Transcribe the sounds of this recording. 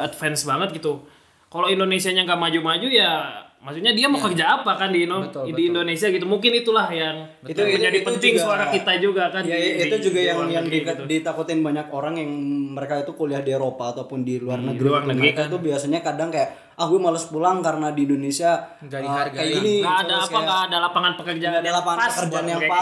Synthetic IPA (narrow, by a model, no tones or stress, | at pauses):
at̪fɛnsbaŋət̪̚ɡit̪u | kaloindonesiaɲaŋɡamad͡ʒumad͡ʒujamasuɲadiamokəkəd͡ʒaːpakandiːnot̪diːndonesiaɡit̪umuŋkɪnit̪ulahjaŋ | it̪ud͡ʒadipənt̪ɪŋsuaɾakit̪ad͡ʒuɡakanjait̪ud͡ʒuɡajaŋjaŋdidit̪akut̪ɪnbaɲakoɾaŋjaŋməɾekait̪ukoliahdiewɾopaːt̪awpʊndiluarnəɡɾuaŋlait̪ait̪ubiasaɲakadaŋkaja | ahwimaluspulaŋkaɾənadiindonesia | əajaɡiniaːdaːakadalapaŋanpəkərd͡ʒadalapaŋanəkərd͡ʒanjaŋa